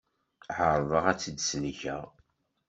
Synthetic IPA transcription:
ʕəɾˤðˤəʁæt͡sːəd̪snçæ

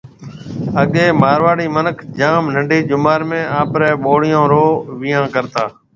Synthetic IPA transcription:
əɠeːmaːɾʋaːɽiːmənəkʰd͡ʒaːmnəɳɖiːd͡ʒʊmaːɾmẽːaːpɾɛːɓoːɽɪjõːɾoːʋɪjãːkəɾt̪aː

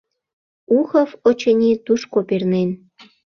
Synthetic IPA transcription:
uxə̆fot͡ɕə̆nʲit̪uʃkopernen

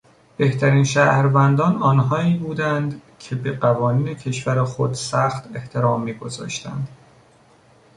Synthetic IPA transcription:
b̥e̞ht̪ʰæɾiːnʃæːhɾvænd̪ɒːnɒːnɦɒːiːbuːd̪ænd̪ | cʰe̞beɢævɒːniːne̞cʰe̞ʃvæɾexo̞d̪sæxt̪ʰe̞ht̪ʰe̞ɾɒːmːiːɡo̞zɒ̰ːʃt̪ʰæ̰nd̪̥

